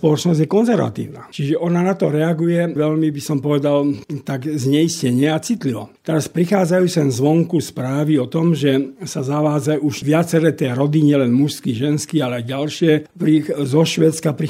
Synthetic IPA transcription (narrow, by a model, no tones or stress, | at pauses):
pɔlɔt͡ʃnɔzɟjɛkɔnzɛɾʋa̰t̪ḭːʊna̰ːt͡ʃiʒɛʔɔnanat̪ɔɾɛaɡujɛʋɛʎmibisɔmpɔʋɛd̪alt̪aɡzɲɛjiscɛɲɪɛat͡sit̪liʋɔ̰t̪ɛɾaspɾixaːd͡zajuːt͡sɛnzʋɔŋkuspɾaːʋiɔt̪ɔmʒɛsazaʋaːd͡zajuʃʋɪat͡sɛɾɛt̪ɛːɾɔd̪iɲɛlɛnmuʃskiʒɛnskialɛajɟalʃɪɛpɾizɔʃʋɛːt͡skapɾi